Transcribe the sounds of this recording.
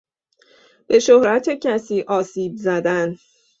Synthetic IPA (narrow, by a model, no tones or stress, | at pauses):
b̥e̞ʃohɾæt̪ʰecʰæsiːʔɒːsiːbzæd̪æn